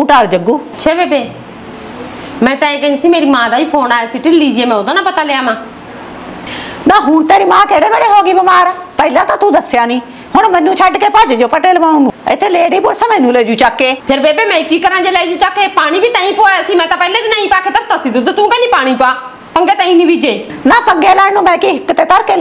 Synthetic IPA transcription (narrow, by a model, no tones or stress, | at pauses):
ũːʈaːɾd͡ʒəɡuː | t͡ʃʰʃʰeːbeːbeː | mɛ̃ːt̪ãːĩːkə̃siːmeːɾiːmãːd̪aːĩːpʰoːnaːesiːʈɪliːd͡ʒiːeːmɛ̃ːod̪aːnaːpət̪aːleːaːmãː | naːɦuːnt̪eːɾiːmãːkeːɽeːbeːɽeːɦoːɡiːbəmaːɾpəɪlaːt̪aːt̪ũːd̪əsjaːnĩː | ɦʊɳmənːũːt͡ʃʰəɖkeːpəːd͡ʒd͡ʒoːpəʈeːlbãːũːnũːɪ̰t̪ʰːeːleːɖiːpʊːɽsəmə̃ːnũːleːd͡ʒũːt͡ʃaːkːeːpʰɪɾbeːpeːmɛ̃ːkiːkəɾãːd͡ʒeːlɛːd͡ʒũːt͡ʃaːkeːpaːɽ̃iːbʱiːt̪ãːĩːpoːaːsĩːmɛ̃ːt̪aːpəɪleːd̪inaːĩːpaːkʰeːt̪əɾt̪əsiːd̪ut̪ːt̪ũːkə̃ːnĩːpaːɽ̃ĩːpːaː | pəŋɡeːt̪ãːĩːnĩːbiːd͡ʒeː | naːpəŋɡeːlɛːnũːmɛ̃ːkiːɦɪkːt̪eːt̪əɾkeː